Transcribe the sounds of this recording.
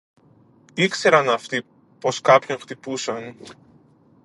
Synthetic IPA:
ikse̞ɾɐnɐft̪i | po̞skɐpço̞ŋxt̪ipusɐn

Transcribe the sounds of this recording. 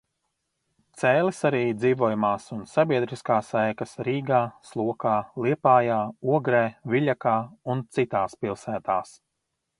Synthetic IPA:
t̪sɛːlˠisaɾiːd̪ziːvuɔjumaːsunsabʲiɛd̪ɾiskaːsajkɐsɾiːɡaːslˠuɔkaːlˠiɛpaːjaːuɔɡɾeːviʎʲakaːunt̪sit̪aːspilˠsæːt̪aːs

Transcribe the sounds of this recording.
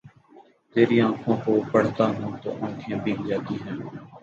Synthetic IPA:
t̪eːɾiːãːkʰõːkoːpəɽ̤t̪aːɦũːt̪o̰ːʔãːkʰẽːbʱiːkd͡ʒaːt̪iːɦɛ̃ː

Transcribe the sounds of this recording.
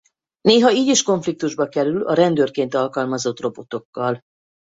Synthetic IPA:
neːɦɒiːɟiʃko̞ɱflik̚t̪uʒbɒkɛɾylɒ̰ɾɛnd̪øːrkeːnt̪ɒlkɒlmɒzo̞t̪ro̞bo̞t̪o̞kːɒl

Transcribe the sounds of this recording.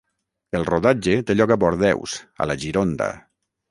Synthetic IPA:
elˠroðad͡ʒet̪eʎɔkaβɔɾðɛ̰wsə̰laʒiɾond̪ə̰

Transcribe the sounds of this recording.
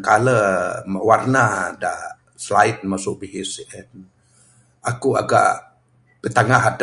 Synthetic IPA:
kaləmawarnada̰ʔ | slaɪt̪̚masʊʔ̚biɦisiʔɛn | ʔakua̰ɡa̰ʔ | b̥ət̪aŋaɦad

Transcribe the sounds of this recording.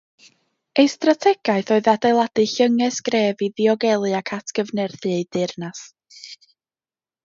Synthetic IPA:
ejstratʰɛɡ̥aɨθɔɨðadejlˠadɨɬəŋɛsɡ̥reːviðiɔɡɛlˠɨakʰatʰɡ̥əvnɛrθɨejdɪrnas

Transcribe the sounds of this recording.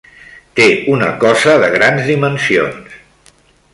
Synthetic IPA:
t̪eunə̰kɔzəðəɣ̞ɾanzðimənsions

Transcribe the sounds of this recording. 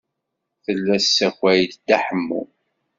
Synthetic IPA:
θəlːæsːæçʷæjd̪d̪aħəmːṵ

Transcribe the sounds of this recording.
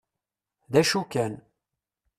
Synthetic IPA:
ðæʃukæn

